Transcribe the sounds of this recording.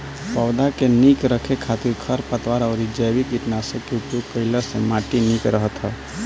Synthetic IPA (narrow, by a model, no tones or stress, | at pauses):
pɔʊd̪akenikɾəkʰekʰat̪iɾkʰəɾpət̪waɾɔʊɾid͡ʒəjbikiʈnasəkjuʈjub̚kəɪləɾsẽmaʈinikɾəɦət̪ɦə